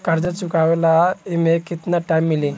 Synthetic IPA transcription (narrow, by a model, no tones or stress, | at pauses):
kaɾd͡zət͡sukaʋlaimekit̪naʈajmːilĩ